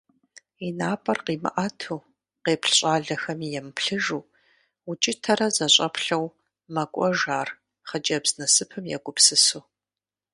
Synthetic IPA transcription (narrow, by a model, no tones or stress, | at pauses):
inaːpʼɐrqiːmɨ̰ʔaːtʰuː | qeːpɬɕʼaːɮɐxɐmijɛmpʰɬɨʒuː | ʊt͡ʃʼɪtʰɐɾɐzɐɕʼɐpʰɬɐw | mɐkʷʼɔʒaːr | χɐd͡ʒɐbz̥nɐsɨpʰɨmjɛ̰ɡʷʊpsɨsuː